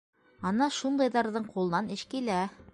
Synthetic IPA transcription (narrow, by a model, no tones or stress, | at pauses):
ɑnɑʃund̪ɑjðɑɾðɤɴqulˠɤ̆nɑnɘʃkilæ